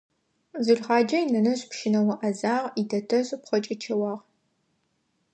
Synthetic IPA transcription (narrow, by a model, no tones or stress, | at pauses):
zɨɮχɑːd͡ʒɐjnɐnɐɕʼpʃɪnɐwɐʔɐzaːʁidʰɐtʰɐɕʼpχʷɔt͡ʃʼɐt͡ʃʰɐwɑːʁ